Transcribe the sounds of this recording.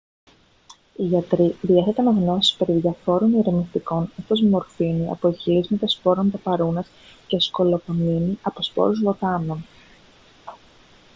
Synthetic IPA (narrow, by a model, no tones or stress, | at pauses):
iʝɐt̪ɾiðieθet̪ɐnɐɣno̞si̥spe̞ɾiðʝɐfo̞ɾo̞niɾemist̪iko̞net̪ozmo̞ɾfiniɐ̰po̞eçilizmɐt̪ɐspo̞ɾont̪ɐpɐɾunɐsce̞sko̞lo̞pominiɐpo̞spo̞̰ɾuzvo̞t̪ɐno̞n